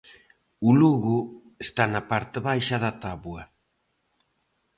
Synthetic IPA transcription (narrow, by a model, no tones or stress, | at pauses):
ʊluɣʊ | est̪anapaɾt̪ɪβajʃɐðɐt̪aβwɐ